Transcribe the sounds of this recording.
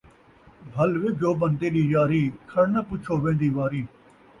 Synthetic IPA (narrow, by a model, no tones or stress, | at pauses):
bʱəlʋed͡ʒoːbənd̪eːɗiːd͡ʒaːɾiːkʰəɽnãːpʊt͡ʃʰoːʋẽːnd̪iːʋaːɾiː